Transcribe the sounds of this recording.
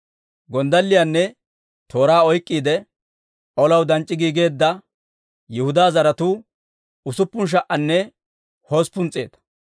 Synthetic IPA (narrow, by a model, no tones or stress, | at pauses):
ɡɔnd̪ɐlːɪjanːɛ | t̪o̞ːɾaːɔjkʼːiːd̪ɛ | ʔɔlɐwd̪ɐnt͡ʃʼːɪɡiːɡe̞ːd̪ːɐ | jɛhʊd̪aːzɐɾɐt̪uː | ʊsʊpːʊnʃ̬ɐʔʔɐnːɛ | hoːspːʊnt͡sʼeːt̪ɐ̥